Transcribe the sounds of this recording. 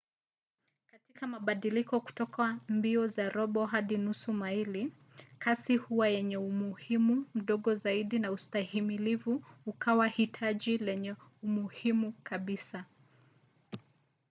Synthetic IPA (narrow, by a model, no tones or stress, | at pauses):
katikamaɓaɗilikɔku̥tɔkʰambiɔzaɾɔɓɔɦaɗinusumaili | kʰasihuwajɛɲɛumuhimum̩ɗɔɠɔzaiɗinaustahimilivuːkʰawahitʰaʄilɛɲɛumuhimukaɓisa